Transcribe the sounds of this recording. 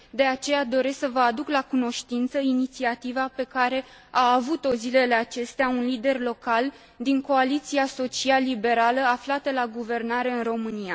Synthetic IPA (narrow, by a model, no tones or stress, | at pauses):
d̪e̞at͡ʃe̞jad̪o̞ɾe̞sksəvəad̪uklakuno̞ʃt̪int̪səinit̪siat̪ivape̞kaɾe̞ | aːvut̪o̞zile̞le̞at͡ʃe̞st̪eaunlid̪e̞rlo̞kal | d̪iŋko̞alit̪siaso̞t͡ʃialːibe̞ɾaləaflat̪əlaɡuve̞rnaɾe̞ɨnro̞mɨnija